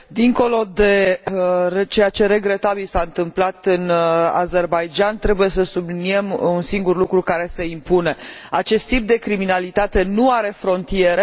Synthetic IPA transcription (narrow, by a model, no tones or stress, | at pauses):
d̪iŋko̞lo̞d̪e̞ | t͡ʃe̞jat͡ʃe̞ɾe̞ɡɾe̞t̪abilsaɨnt̪ɨmplat̪ɨna̰ze̞rbajd͡ʒant̪ɾe̞buje̞səsublinie̞munsiŋɡurlukɾukaɾe̞se̞impune̞at͡ʃe̞st̪ːip̚d̪e̞kɾiminalit̪at̪e̞nuaɾe̞fɾo̞nt̪ije̞ɾe